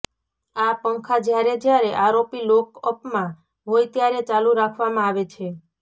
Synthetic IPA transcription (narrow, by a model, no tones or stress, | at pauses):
apəŋkʰad͡ʒjaɾed͡ʒjaɾeʔaɾopilokəpmã | ʋojt̪jaɾet͡ʃaluɾakʰʋamãaʋet͡ʃʰe